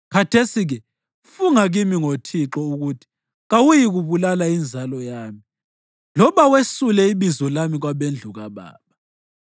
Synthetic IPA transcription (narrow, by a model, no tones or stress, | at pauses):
kʰatʰesiɣɛ | fuŋaɣimiŋotʰiǁɔuɣutʰi̥ | ɣawujiɣuβulalaind͡zʱalɔjaːmi | lɔβawesulɛiβizɔlamiɣwaβend͡ɮʱuɣaβa̰ːβa